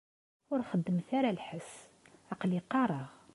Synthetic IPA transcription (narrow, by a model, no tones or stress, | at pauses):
wʊɾxəd̪ːəmθaɾælħəsʕɑqliqɑɾˤɑʁ